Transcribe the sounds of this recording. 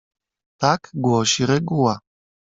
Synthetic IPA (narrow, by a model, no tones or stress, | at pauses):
t̪akɡʷɔʃiɾɛɡuwa